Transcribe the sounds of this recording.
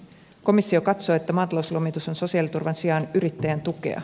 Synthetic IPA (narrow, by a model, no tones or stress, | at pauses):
ko̞misːio̞kɑt̪so̞ːet̪ːæmɑːt̪ɑlowslomit̪uso̞nso̞siɑlit̪urʋɑnsiɑnyɾit̪ːæjænt̪uke̞̰ɑ̰